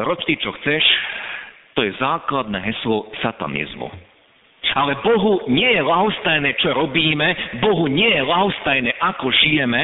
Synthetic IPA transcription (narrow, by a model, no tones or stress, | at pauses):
ɾɔst̪ic̚t͡ʃɔxt͡sɛʃ | t̪ɔjɛzaːklad̪̚nɛːɦɛslɔsat̪a̰nḭzmṵ | alɛbɔɦuɲɪɛjɛlaɦɔst̪ajnɛt͡ʃɔɾɔbiːmɛbɔɦuɲɪɛjɛlaɦɔst̪ajnɛʔakɔʒijɛmɛ